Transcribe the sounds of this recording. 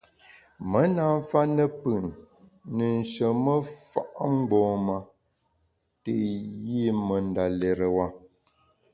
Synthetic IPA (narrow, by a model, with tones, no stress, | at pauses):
mə˨˦na˨ɱ˦fa˦nə˦pɨ˨nː | ə˨n̩˨ʃə˨mə˦fa̰˦˨ʔŋ͡m̩˦ɡ͡bɔ̃ː˨˦ma˨ | te˨ji˦˨mə˨n˦da˨lɛ˨ɾə˨wa˦˨